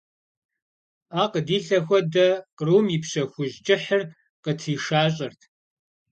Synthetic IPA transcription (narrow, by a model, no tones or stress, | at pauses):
aːqədiːɬɐxʷɔdɐqruːmjipɕɐxʷʊʑd͡ʒʼɪħər | qətʰiːʂaːɕ̬ʼɐrtʰ